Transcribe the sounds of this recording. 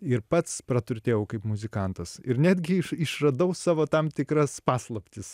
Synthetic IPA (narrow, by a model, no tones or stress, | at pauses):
ɪɾpɐt̪spɾɐt̪ʊɾʲt̪ʲeːjɛʊkɐɪpmʊzʲɪkɐˑnt̪ɐsɪɾnʲæːd̪ʲɡʲɪɪʃɪʃrɐd̪ɐʊsɑːʋoːt̪ɐmt̪ʲɪkɾɐspɑːslˠɐpʲt̪ʲɪs